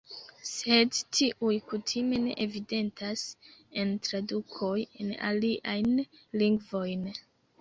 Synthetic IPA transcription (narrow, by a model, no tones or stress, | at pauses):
se̞dtʰiʔujkutʰime̞ne̞̰ʔevide̞ntʰase̞ntɾadukʰo̞je̞na̰liʔajn | liŋɡvo̞jn